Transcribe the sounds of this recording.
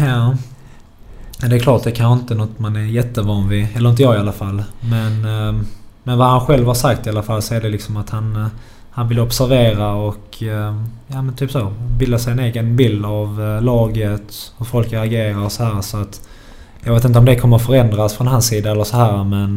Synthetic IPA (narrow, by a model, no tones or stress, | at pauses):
jɑː | d̪ɛːɾkʰlɑːʈ̚d̪ɛkʰanɧəɪnt̪ənɔt̪ːmanæɾjɛt̪ːəvɑːnvɪɛlːəɾɪnt̪əjɑːɡɪalːafalːmɛn | mɛnvahanɧɛlvhaɾʂakt̪ɪalːafalːsɔɛɖɛlɪksɔmat̪han | hanvɪlːəɔpsæɾveːɾaɔk | jɑːmɛnt̪ʰyːpsoːbɪld̪asɛjəneːɡənbɪld̪avlɑːɡət̪hɵɾfɔlkəaɡeːɾaɾsɔhæːɾsɔat̪ | jɑ̰ɡeːt̪ɪnt̪əɔmd̪ɛkʰɔmːəɾfœɾɛnd̪ɾasfɾɔnɦansiːd̪aɛlːəsɔɦæːɾmɛn